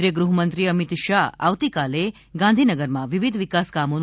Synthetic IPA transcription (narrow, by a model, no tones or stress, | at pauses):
ɾjəɡɾuɦəmənt̪ɾiəmit̪ʃaɦa̰ʋt̪ikale | ɡãnd̪ʱinəɡəɾmãʋiʋid̪ʱʋikaskamon